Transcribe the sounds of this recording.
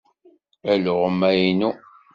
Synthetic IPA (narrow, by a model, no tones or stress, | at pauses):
æloʁəmæjnu